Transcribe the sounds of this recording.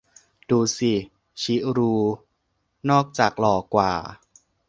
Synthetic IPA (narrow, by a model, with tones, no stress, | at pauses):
duː˧si˨˩ | t͡ɕʰi˦˥ɾuː˧ | nɔː˥˩k̚t͡ɕaː˨˩k̚lɔː˧kwa̰ː˨˩